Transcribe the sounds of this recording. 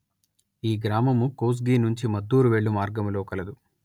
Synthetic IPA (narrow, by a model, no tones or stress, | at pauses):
iːɡɾaːmɐmukoːs̬ɡiːnuɲt͡ʃimɐd̪ːuːɾuʋeːɭːumaːɾɡɐmlo̞ːkɐlɐd̪u